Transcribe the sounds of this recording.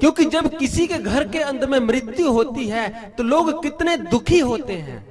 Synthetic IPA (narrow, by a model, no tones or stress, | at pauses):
kjõːkid͡ʒɐbkɪsikeɡʱɐɾkeɐ̃nd̪ʱmẽmɾɪt̪juɦoːt̪iɦɛ | t̪oloːɡkɪt̪ned̪ʊkʰiɦoːt̪eɦɛ̰̃ː